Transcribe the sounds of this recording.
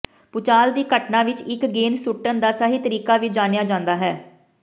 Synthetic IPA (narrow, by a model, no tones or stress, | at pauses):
pʊt͡ʃaːld̪iːkəʈnãːʋɪt͡ʃɪkɡeːnsʊʈːənd̪aːsaːɦiːt̪əɾiːkaːʋiːd͡ʒaːnjaːd͡ʒãːnd̪aːɦɛː